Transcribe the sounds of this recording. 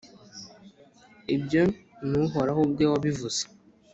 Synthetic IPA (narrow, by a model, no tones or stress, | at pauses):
ebjənnuɦɔɾahobɡewɔbivusḁ